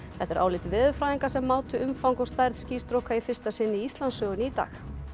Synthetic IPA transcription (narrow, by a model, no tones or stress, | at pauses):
θɛht̪ɛɾʔa̰ːwlɪt̪vɪːðʏfɾaːðiŋkḁsɛmːaːwt̪ʏʏmfawŋkɔɣst̪ajɾðsciːst̪ɾowhkaifɪ̥st̪asɪnːɪiist̪lansœːɣʏniːt̪a̰ːx